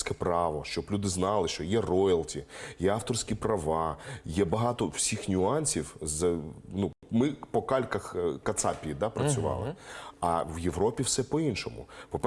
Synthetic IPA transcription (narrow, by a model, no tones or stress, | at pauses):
sʲkɛpɾɑʋɔʃt͡ʃɔblʲud̪ɪznɑlˠɪʃt͡ʃɔjɛrɔjɪlˠtʲijɛɑwt̪ɔrsʲkʲipɾɐʋɑjɛbɐɦɑt̪ɔwsʲixnʲʊɑnʲsʲiwzɐnumɪpɔkɑlʲkɐxkɐt̪sɑpʲiid̪ɑpɾɐt͡sʲʊʋɑ̰lˠɪ̰ɐwjeʋɾɔpʲiwsɛpɔinʃɔmʊ̰pɔpɛ